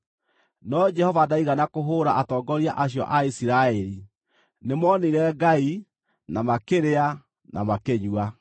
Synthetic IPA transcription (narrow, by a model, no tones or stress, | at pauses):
nɔd͡ʒɛhɔvadaiɣanakoɦoɾaʔatɔːɡɔɾiaʔaɕjɔ̰ʔaisiɾaɛɾi | nemɔneɾɛɡai | namakeɾea | na̰makeɲua